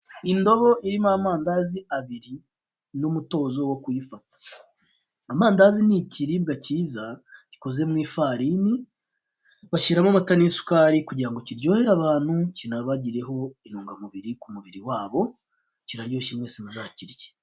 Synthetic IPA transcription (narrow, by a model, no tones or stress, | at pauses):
indo̞βo̞ʔiɾimamaːndaziaβiɾi | numuto̞ːzo̞wokwifatḁ | amaːndaziniciɾiβɡaciːzaci̥ko̞ze̞mwiːfaɾiːni | βaʃiɾamamatanisu̥kaɾikuɟiɾaŋɡo̞ciɾɟo̞ːhe̞ɾaβaːn̥hucinaβaɟiɾe̞ɦo̞inuːŋɡamuβiɾikumuβiɾiwaːβo̞ | ciɾaɾjo̞ːʃimwe̞ːsimuʒaːciɾje